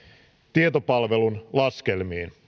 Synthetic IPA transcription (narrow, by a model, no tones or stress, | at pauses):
t̪iet̪o̞pɑlʋe̞lunlɑske̞lmiːn